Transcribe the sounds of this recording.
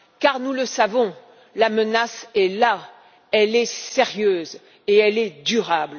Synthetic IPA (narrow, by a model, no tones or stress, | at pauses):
kaʁnuləsavɔ̃ | lamənasɛla | ɛlɛseʁjøːz | eɛlɛd̪yʁabl